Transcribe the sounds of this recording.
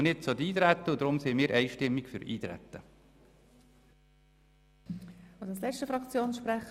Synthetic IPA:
nɪt̚t͡sod̪iːt̪ɾæt̪ːəʊd̪ɾʊmsɪmɪːɾʔɛɪʃtɪmːɪkfʏɾḭːt̪ɾɛ̰t̪ːə | ʊ̥ɑslɛt͡ʃtəfɾɑkt͡sjoːnsʃpɾæχ

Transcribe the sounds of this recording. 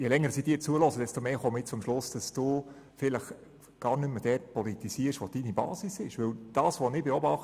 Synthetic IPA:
jɛlɛŋːəɾsiːd̥iːt͡suəlɔsəd̥ɛstomeːχomɪt͡sʊmʃlʊsd̥ɑsd̥uː | fɪləχ | ɡ̥ɑːrnʏmːəd̥ɛtpɔlit̪isiəɾʃʋod̥inibɑ̰ːsisɪʃʋɵwd̥ɑːsʋonɪbeobɑχt

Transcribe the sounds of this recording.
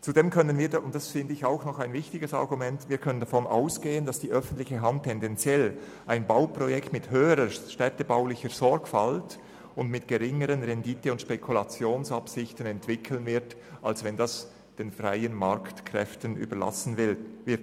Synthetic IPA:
t͡sudeːmkʰœnənviːɐdʊntd̥asfɪndəɪçaʊxnɔχaɪnvɪçtɪɡəsɑ̰ʁɡumɛntviːkʰœnənd̥afɔna̰ʊsɡ̥eːəndɑsd̥iːʔœfən̩tlɪçəɦantʰːɛndɛnt͡sjɛl | ʔaɪnbaʊpʁ̥ɔjɛktmɪthøːəɾəʃtɛtəbaʊlɪçəɾzɔɹkfalt | ʊntmɪtɡ̥əʁɪŋəɾənʁɛnditəʊntʃpɛkʰulat͡sjoːnsɑpsɪçtən̩ɛntv̥ɪkʰl̩nvɪɾt | ʔalsvɛndɑs | d̥eːnfʁaɪənmaɾktkʰʁ̥ɛ̰ftən̩ʔy̰ːbəla̰sn̩vɪlvɪt

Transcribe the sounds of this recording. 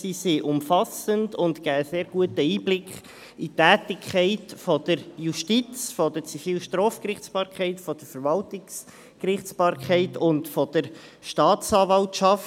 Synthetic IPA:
sisiʔʊmfɑsəndʊntkæːəseːɾɡuətəiːblɪkχ | itæːtɪkʰχɛɪtfɔd̥̪əɾjuʃtit͡sfɔdəɾt͡sifiːlʃtɾɔːfkrɪχsb̥ɑːɾkχɛɪtfɔd̥əɾfəɾvɑltɪks | krɪχsb̥ɑːɾkχɛɪtʊntfɔd̥əɾ | ʃtɑːtsɑːvɑltʃɑft

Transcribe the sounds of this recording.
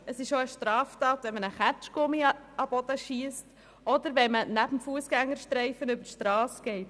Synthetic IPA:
əsɪʃoəʃtɾɑːftɑːt̪ʋɛnmənəχæt͡ʃkʊmiɑb̥ɔd̥̪əʃiəst | ɔd̪əɾʋɛmənæb̥m̩fuəsɡ̥æŋːəɾʃtɾɛɪfənʏbəʃtɾɑːsɡ̥ɛɪt

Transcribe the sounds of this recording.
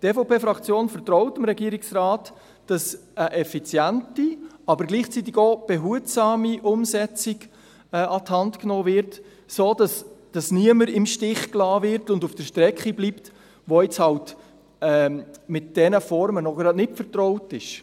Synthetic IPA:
tɛfopeːfɾɑkt͡sjoːnfəɾtrɔʊtɪmɾɛɡiəɾɪksrɑːt | d̥ɑs | əʔɛfit͡sjæntiɑbəɾɡliːχt͡sit̪̬ːiɡob̥ɛɦuətsɑːmiʔʊmsɛt͡sɪɡ | ɛʔɑthɑntknoːvɪɾt | soːdɑsd̥ɑsniəməɾɪmʃtɪχklɑːvɪɾtʊndufd̥əʃtɾɛkχibliːpt | ʋoɪt͡shɑlt | ɛːmɪt̚d̥ɛnəfɔɾmənɔɡɾɑdnɪtfəɾtrɔʊtɪʃ

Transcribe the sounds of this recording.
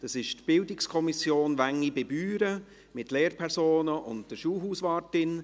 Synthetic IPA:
d̥ɑsɪʃtb̥ɪldɪkskʰɔmɪsjoːnʋæŋːiɡɛbyːɾə | mɪtleːɾpʰɛɾsoːnəʔʊnt̚d̥əʃuːlɦuːsʋɑːɾtɪn

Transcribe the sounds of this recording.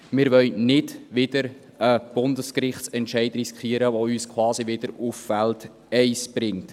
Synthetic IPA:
mɪːɾʋœlnɪdʋɪdəɾ | əb̥ʊndəskrɪχtsɛntʃɛɪdriskʰχiəɾəʋoyːskʰwɑːsiʋɪd̥əɾufːælt | ɛɪsb̥ɾɪŋt

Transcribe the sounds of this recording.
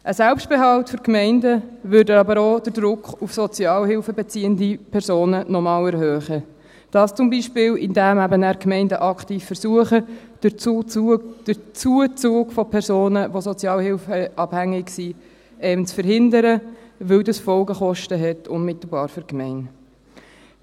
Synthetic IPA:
ʔəsælpʃt̚b̥eɦɑltføɾkmɛɪndəʋʏɾdəɑbəɾod̥əɾd̥ɾʊkχufsɔt͡sjɑːlhɪlfəbɛt͡siːəndipʰɛɾsoːnənɔmɑːlɛɾɦœːχə | d̥ɑːst͡sʊmbiːʃpɪːlɪndæmæbənæːɾkmɛɪndəʔɑktiːfːəɾsuəχə̥ | d̥ət͡suət͡suːɡ̥fɔpʰɛɾsoːnəʋosɔt͡sjɑːlhɪlfəʔɑb̥hæŋɪɡsi | ɛənt͡sfəɾhɪndəɾəʋɪwdɑsfɔlɡəχɔʃtəɦɛtʰʊnmɪtl̩bɑːɾfyɾkmɛɪn

